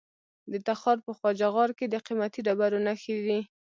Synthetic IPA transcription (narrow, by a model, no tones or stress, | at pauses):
d̪ət̪axɑɾpəxwɑd͡ʒɑɣɑɾked̪əqimat̪iɖabaɾonaxid̪i